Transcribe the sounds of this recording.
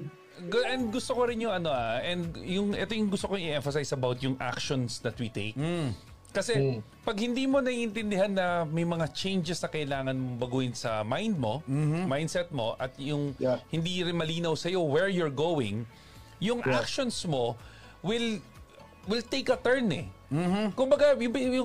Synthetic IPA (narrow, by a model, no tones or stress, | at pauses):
ʔɛnd̪̚ɡʊst̪okoɾɪnjʊŋɐno̞ʔaʔɛnd̪jʊŋʔɛ̰t̪o̞jʊŋɡʊst̪okoŋɪʔɛɱfɐsajsɐbawt̪̚jʊŋʔa̰kʃonsd̪ɐt̪̚wit̪ejkː | ɐsɛ | pɐɡ̚hɪnd̪iːmo̞nɐiʔɪnt̪ɪnd̪ɪɦanːɐmɐjmɐŋat͡ʃẽjnd͡ʒɛsnɐkɐʔɪlaːŋɐnmobɐɡuːjɪnsɐmajnd̪̚mo̞majnd̪sɛt̪̚mo̞ʔɐt̪jʊŋhɪnd̪iɾɪnmɐliːnɐwsɐjo̞wɛɹjɔɹɡowɪ̰̃ŋ | jʊŋʔakʃonsmo̞ | wɪl | wɪlt̪ejkɐt̪ɛɹnɛ | kʊmbɐɡajʊjʊ